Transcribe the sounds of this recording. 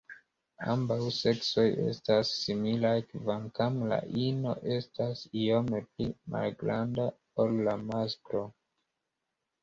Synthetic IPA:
a̰mbawse̞kso̞je̞̰stasːimilajkvamkamla̰ʔino̞̰ʔe̞stasio̞me̞plima̰lɡɾanda | ollamaskɾo̞

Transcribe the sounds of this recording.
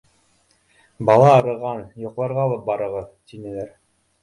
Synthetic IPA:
bɑlˠɑɑɾɤ̆ʁɑnjŏqlˠɑɾʁɑːlˠɤp̚bɑɾɤ̆ʁɤðt̪inɘ̆læɾ

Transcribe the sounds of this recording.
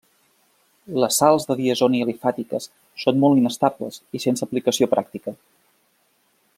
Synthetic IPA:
ləsːalˠzðəðiəzoniəlifat̪ikəs | sonmɔlˠinəst̪ablə̰zisensəplikəsiopɾak̚t̪ikə

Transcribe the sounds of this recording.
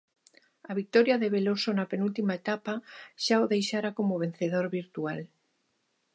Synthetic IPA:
aβik̚t̪oɾjaðeβ̞elosonapenult̪imaet̪apaʃaoðejʃaɾakomoβ̞en̟θeðoɾβiɾt̪ual

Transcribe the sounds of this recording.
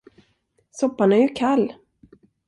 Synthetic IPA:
sɔpːanæɾjɵkʰalː

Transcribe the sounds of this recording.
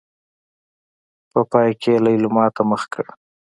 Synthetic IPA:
pəpɑjkʰelajlʊmɑt̪aməxkəɽ

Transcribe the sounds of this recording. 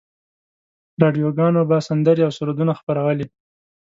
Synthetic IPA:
ɾɑɖijoɡɑnobasand̪əɾeawsʊɾod̪unaxpaɾawəle

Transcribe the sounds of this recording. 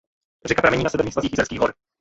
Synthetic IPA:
rɛkapɾamɛɲiːnasɛbɛɾnɲiːsasiːxjɪsɛlskiːɦoɾ

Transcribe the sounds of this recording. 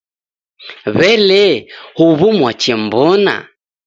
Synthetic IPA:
βɛlɛhuβumwat͡ʃɛmbɔna̰

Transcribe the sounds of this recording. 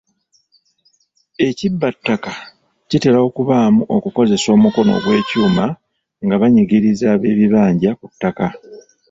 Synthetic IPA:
e̞cibːatːaka | cite̞lao̞kuβaːmuʔo̞kuko̞ze̞so̞ːmuko̞no̰ɡwe̞ːcuːma | ŋɡaβaɲiɡiɾizaːβe̞ːβiβaːɲɟakutːaka

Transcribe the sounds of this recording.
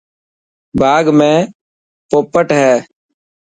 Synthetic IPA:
bʱaːɡmẽː | poːpəʈɦɛː

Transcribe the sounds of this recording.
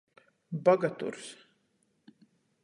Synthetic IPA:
baɡat̪ṵɾs

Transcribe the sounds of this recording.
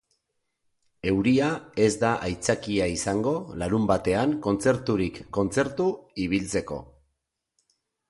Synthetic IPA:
e̞wɾiae̞zd̪aʔajt͡sakiaisaŋɡo̞laɾumbat̪e̞aŋko̞nt͡se̞ɾt̪uɾikːo̞nt͡se̞ɾt̪uiβ̞ilt͡se̞ko̞̰

